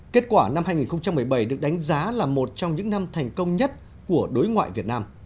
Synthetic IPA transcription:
ke˦˥t̚kwaː˧˩na˧mhaː˧jŋi˨˩nxə˧wŋ͡mt͡ɕa˧mːɨ˨˩əjɓə˧˩jɗɨ˨˩ək̚ɗa˨˦jŋ̟zaː˨˦laː˨˩mo˨˩t̚t͡ɕɔ˧wŋ͡mɲɨ̰˧˥ŋna˧mt̪ʰɛ˨˩jŋ̟kə˧wŋ͡mɲə˦˥t̚ | ku˧˩əɗo˨˦jŋwa̰ː˧˨jvi˨˩ət̚naː˧m

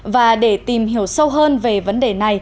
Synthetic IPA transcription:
vaː˨˩ɗe˧˩t̪i˨˩mɦi˧˩əwsə˧wɦəː˧nve˨˩və˨˦nɗe˨˩na˨˩j

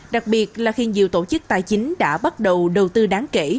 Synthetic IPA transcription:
ɗa˨˩k̚ɓi˨˩ət̚laː˨˩xi˧nzḭ˨əwt̪o˧˩t͡ɕɨ˦˥k̚t̪aː˨˩jt͡ɕï˨˦ŋ̟ɗa̰ː˧˥ɓa˦˥t̚ɗə˨˩wɗə˨˩wt̪ɨ˧ɗaː˨˦ŋke˧˩˨

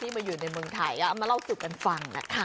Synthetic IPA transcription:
t̪ʰiː˥˩ma˧njuː˨˩na˧jmɯ˧əŋt̪ʰa˧˩jka˦˥˧ma˧nla˥˩wsu˨˩ka˧nfa˧ŋna̰˦˥kʰa˥˩

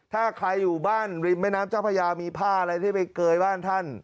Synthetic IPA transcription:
t̪ʰaː˥˩kʰɾa˧jːuː˨˩baː˥˩nɾi˧˩mma˦˥˩naː˦˥mt͡ɕa˦˥˩pʰa˧jaː˧miː˧pʰaː˥˩ʔa˧ɾa˧jt̪ʰiː˥˩pa˧jkɤː˧jbaː˥˩nt̪ʰa˥˩n

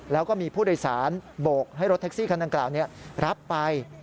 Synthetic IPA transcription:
lɛː˦˥wkɔː˥˩miː˧pʰuː˥˩doː˧jsaː˩˦nboː˨˩k̚ɦa˥˩jɾo˦˥t̪ʰɛ˦˥k̚siː˥˩kʰa˧nda˧ŋklaː˨˩wni˦˥ɐɾʔa˦˥pːa˧j

